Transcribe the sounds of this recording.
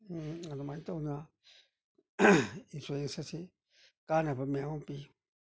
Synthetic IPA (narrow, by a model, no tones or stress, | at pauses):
anumãĩt̪ounã | infuensasi | kanãpamĩãũpi